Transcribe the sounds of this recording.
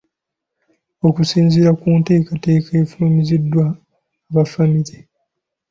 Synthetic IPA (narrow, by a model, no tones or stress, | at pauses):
o̞kusiːnziɾakuːnte̞ːkate̞ːkaefulumizidwaː | βafamiɾi